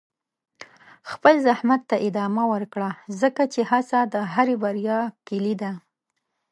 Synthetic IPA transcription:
xpəlzahmat̪ːaʔɪd̪ɑmawəɾkɽazəkat͡ʃehasad̪əɦaɾebaɾjɑkɪlid̪a

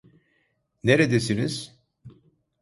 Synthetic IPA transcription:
neɾed̪esiniz̥

